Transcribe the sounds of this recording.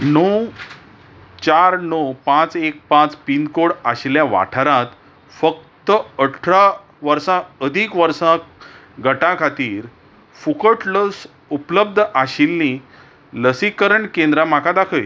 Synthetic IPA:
now | t͡ɕaɾnowpãt͡sek̚pãt͡spind̪koɽaɕljaʋa̰ʈʰəɾãt̪ | fək̚t̪əəʈʈʰɾa | ʋəɾsãəd̪ʱikʋəɾsã | ɡʱəʈãkʰat̪iːɾ | fukəʈləs | upləb̚d̪ʱəʔaɕilːi | ləsikəɾəɳkẽnd̪ɾam̤akʰad̪akʰəj

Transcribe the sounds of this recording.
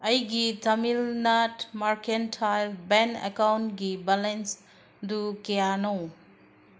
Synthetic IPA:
ɐjɡitʰɐmilnatmaɾkentʰajlbenḛkawntɡibalens | dukejanow

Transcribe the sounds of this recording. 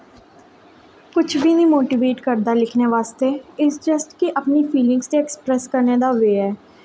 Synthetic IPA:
kʊt͡ʃʰbʱiːnĩːmoːʈiːʋeːʈkəɾd̪aːlɪkʰneːʋaːst̪eːɪsd͡ʒəsʈkiʔəpnipʰiːlɪ̃ŋɡst̪eɛkspɾɛːskəɾneːd̪aːʋeːɦɛː

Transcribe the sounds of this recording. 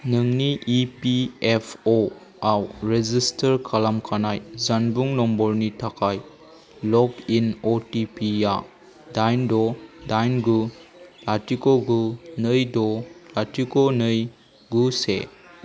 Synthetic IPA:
nɯŋniʔipiepʰo | awɾezistɐɾkʰalamkʰanajzanbuŋnɔmbɔɾnitʰakʰaj | lɔkinotipija | dajndɔdajnɡulatikoɡunɯjdɔlatikonɯj | ɡusḛ

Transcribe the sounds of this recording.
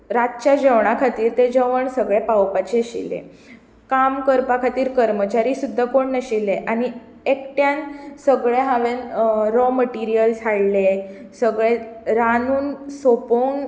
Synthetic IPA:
ɾat̪̚t͡ɕad͡ʑəʋɳ̃akʰat̪iːɾt̪ed͡ʑəʋəɳsəɡɭepawpat͡ɕeɕḭlḛ | kamkəɾpakʰat̪iːɾkəɾmət͡ɕaɾisud̪ʱːakoɳːəɕileʔaɽ̃i | ek̚ʈjansəɡɭeɦaʋenɾɔməʈiɾijəld͡zʱʰaɽlesəɡɭeɾanuːnsopoŋ

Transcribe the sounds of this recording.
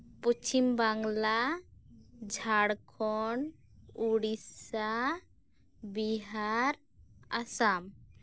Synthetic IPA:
put͡ʃʰimbaŋla | d͡ʒʱaɽkʰɔn | uɽisa | biɦaɾ | asam

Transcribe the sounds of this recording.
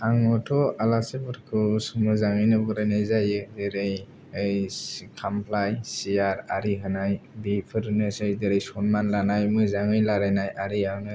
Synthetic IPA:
aŋɔtʰɔalasebɯɾkʰɯsmɯzaŋɯjnɯbɡɯɾajnɯjzajɯdeɾej | ejkʰampʰlajsiaɾaɾiɦɯnajbipʰɯɾnɯsejdeɾejsɔnmanlanajmɯzaŋɯjlaɾanajaɾiaŋnɯ

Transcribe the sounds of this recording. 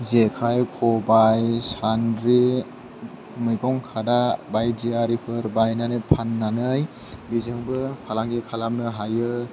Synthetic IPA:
zekʰajkʰɔbajsandɾi | mɯjɡɔŋkʰadabajziaɾipʰɯɾbajnanɯpʰanːanɯj | bizɯŋbɯpʰalaŋɡikʰalamnɯɦajɯ

